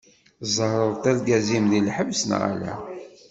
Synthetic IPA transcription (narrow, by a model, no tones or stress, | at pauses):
zˤəhɾˤəðˤt̪ælɡæzimðilħəvsənʁa̰læ̰